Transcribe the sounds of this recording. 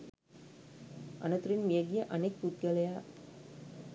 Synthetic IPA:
ʔɐnɐt̪ʊɾɪnmijɐɡijɐʔɐnɐk̚put̪̚ɡɐlɐjaː

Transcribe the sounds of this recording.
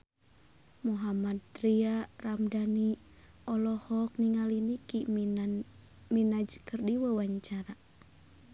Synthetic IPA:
muɦamad̪̚t̪ɾiaramdani | ɔlɔhɔk̚niŋaliniki | minad͡ʒkərdiwəwaɲt͡ʃaɾa

